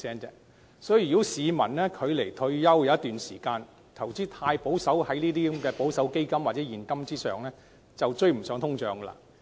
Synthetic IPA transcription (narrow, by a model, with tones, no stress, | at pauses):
sɛː˥nt͡sɛː˧˥ | sɔː˨˥ji˨˩˨o˥siː˨˧mɐ˨˩nlɛː˥kʰɵ˨˧ɥle˨˩jt̪ʰɵ˧ɥjɐ˥wjɐ˨˧wjɐ˥t̪yː˨nsiː˨˩kaː˧n | t̪ʰɐ˨˩wt͡siː˥t̪ʰaː˧jpo˨˥wsɐ˨˥whɐ˨˥jniː˥t̪iː˥˧˥mkɛː˧po˨˥wsɐ˨˥wke˥jkɐ˥mwaː˨t̚t͡sɛː˨˥jiː˨˩nkɐ˥mt͡siː˥sœ̰ː˨ŋlɛː˥ | t͡sɐ˨wt͡ʃɵ˧ɥm̩˨˩sœː˨˥ŋt̪ʰʊ˥ŋt͡ʃœː˨˧ŋkə˧la̰ː˧